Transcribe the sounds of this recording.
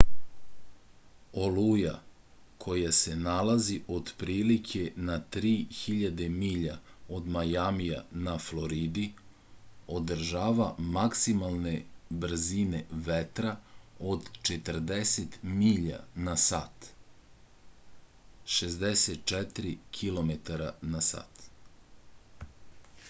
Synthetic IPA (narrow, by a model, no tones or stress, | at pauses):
o̞luja̰ | kʰo̞jase̞nalaziʔo̞d̪pɾiːlikʰe̞nat̪ɾiːxiʎad̪e̞miːʎao̞d̪majamija̰naflo̞ɾid̪i | o̞d̪r̩ʒaːʋamaksimalˠne̞br̩zine̞ʋet̪ɾaod̪t͡ʃet̪r̩d̪eset̪miʎa̰nasa̰ːt̪ | ʃezd̪eset̪̚t͡ʃɛt̪ɾikʰilo̞met̪aɾanasa̰ːt̪